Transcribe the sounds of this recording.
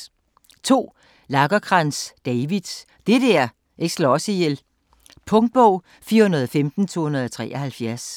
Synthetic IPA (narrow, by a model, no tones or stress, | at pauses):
t͡sʰo̝̰ː | lɑ̈ɡ̥ɐkʰʁɑnsd̥ɛɪʋið̥ˠ | d̥edæɐ | ʔeɡ̥slɒɒ̽sijel | pʰɔ̽ŋd̥̚b̥ɔʊ̰ | fiːɐhunɐð̞ˠɒfemd̥n̩t͡sʰo̝̰ːhunɐð̞ˠɒt͡sʰʁɛ̰ːɐhælfjæɐs